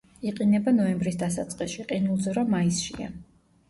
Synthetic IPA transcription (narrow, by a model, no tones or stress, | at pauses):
iqʼinɛbanɔɛmbɾisd̪asat̪sʼqʼisʃiqʼinulˠd̪zɔɾamaisʃḭa̰